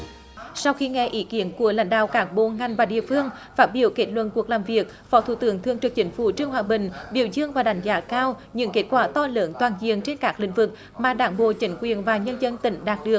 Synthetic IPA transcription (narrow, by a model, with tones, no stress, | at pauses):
sa˧wxi˧ŋɛ˧ʔi˨˦ki˨˦ənku˧˩əla̰˧˩˦jŋ̟ɗa̰ː˧˨wkaː˦˥k̚ɓo̰˧˨ŋa˨˩ŋ̟vaː˨˩ɗḭ˧˨əfɨ˧əŋfaː˦˥t̚ɓi˧˩əwke˦˥t̚lwə̰˧˨nku˨˩ək̚laː˨˩mvi˨˩ək̚fɔ˨˦t̪ʰṵ˧˩˦t̪ɨ˨˧˦əŋt̪ʰɨ˨˩əŋt͡ɕɨ˨˩ək̚t͡ɕï˨˦ŋ̟fṵ˧˩t͡ɕɨ˧əŋhwaː˨˩ɓï˨˩ŋ̟ɓḭ˧˩əwzɨ˧əŋvaː˨˩ɗa˨˦jŋ̟zaː˨˦kaː˧w | ɲɨ̰˧˥ŋke˦˥t̚kwaː˧˩t̪ɔ˧ləː˨˦nt̪waː˨˩nzḭ˧˨əŋt͡ɕe˧nkaː˦˥k̚lḭ̈˧˥ŋ̟vɨ˨˩k̚ | maː˨˩ɗaː˨˦ŋɓo̰˧˨t͡ɕï˨˦ŋ̟kwi˨˩ənvaː˨˩ɲə˧nzə˧nt̪ï˨˦ŋ̟ɗaː˨˩t̚ɗɨ˨˩ək̚